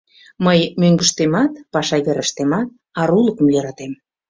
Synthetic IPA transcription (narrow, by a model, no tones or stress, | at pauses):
məjmøŋɡə̆ʃt̪emɑt̪pɑʃɑɣeɾə̆ʃt̪emɑt̪̚ | ɑɾuləkə̆mjøɾɑt̪em